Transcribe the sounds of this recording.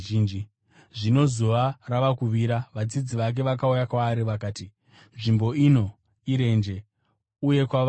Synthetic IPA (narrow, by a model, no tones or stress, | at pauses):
iːnd͡ʒi | ʐino̞zoʋaraʋakuʋiɾaʋad͡zid͡ziʋak̬e̞ʋak̬aujakwaːɾiʋakaːti | nʐimbo̞ino̞ | iɾe̞nd͡ʒe̞ | uje̞kwa